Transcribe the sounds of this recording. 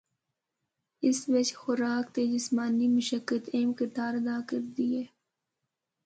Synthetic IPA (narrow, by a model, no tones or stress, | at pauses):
ɪsʋɐt͡ʃxʊɾaːkt̪eːd͡ʒɪsmaːnimʊʃəkːət̪eːmkɪt̪aːɾɐd̪aːkɐɾd̪iːɦɛː